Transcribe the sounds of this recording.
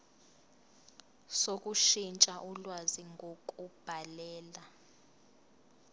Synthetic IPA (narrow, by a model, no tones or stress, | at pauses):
sok̬ʼuʃint͡ʃʼaʔulwaziŋɡʱok̬ʼub̥ʱalɛːla